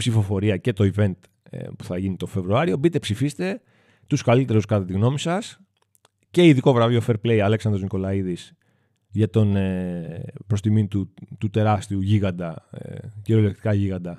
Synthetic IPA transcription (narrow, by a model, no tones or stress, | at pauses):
psifo̞fo̞ɾiɐce̞t̪o̞ive̞nt̪ | pu̥θɐʝinit̪o̞fe̞vɾuɐɾio̞bit̪e̞psifist̪e̞ | t̪uskalit̪e̞ɾuskɐt̪et̪iɣno̞misɐs | ce̞iðiko̞vɾɐvio̞fe̞ɾple̞iɐle̞ksɐnd̪ɾoniko̞lɐiðis | ʝɐt̪o̞ne | pɾo̞st̪imint̪ut̪ut̪e̞ɾɐst̪iuʝiɣɐnd̪ɐ̰ | ciɾole̞kt̪i̥kɐʝiɣɐnd̪ɐ